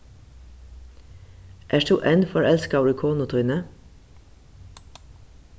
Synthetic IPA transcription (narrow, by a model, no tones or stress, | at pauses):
ʔæːʃtuːʔenfɔɾɛlskɑːɹɪkʰuːnʊt̪ʰɔʏnə